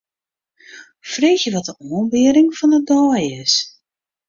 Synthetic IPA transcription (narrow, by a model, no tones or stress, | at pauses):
freːxjəʋɔtəʔoənbɪəɾɪŋfɔnədɔːjɪs